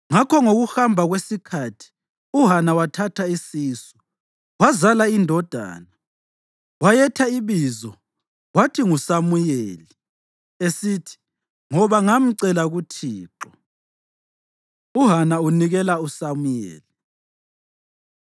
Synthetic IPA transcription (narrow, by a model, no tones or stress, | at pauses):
ŋakʰɔŋoɣuxambʱaɣwesikʰatʰi̥ | uɦanawatʰatʰaisiːsɔ̥ | wazalaindʱɔd̥ʱa̰ːna | wajɛtʰaiβizɔ | watʰiŋusamujeːli | esitʰi̥ | ŋɔβaŋam̩ǀɛlaɣutʰiːǁɔ | uɦanauniɣɛlausamujḛːli